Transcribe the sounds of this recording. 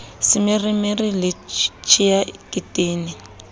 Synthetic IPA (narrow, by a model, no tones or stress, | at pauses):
sɪmɪrimɪrilɪt͡ʃʰijakʼitʼeːni